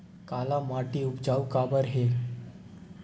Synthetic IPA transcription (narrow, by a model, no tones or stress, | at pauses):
kaːlamaːʈiʊpd͡ʒaːukaːbəɾɦeː